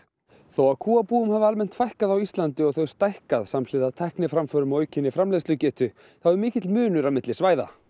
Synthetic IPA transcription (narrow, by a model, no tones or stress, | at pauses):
θowaðkʰuːapuːʏmhavɪalmɛn̥t̪fajhkaðawist̪lant̪ɪɔɣθœɥwst̪ajhkaðsaml̥ɪðat̪ʰɛhknɪfɾamfœɾʏmaœːɥcʰɪnːɪfɾamlejslʏcɛːht̪ʏ | θawɛɾmɪːcɪt̪lmʏːnʏɾaðmɪt̪lɪsvaːjða̰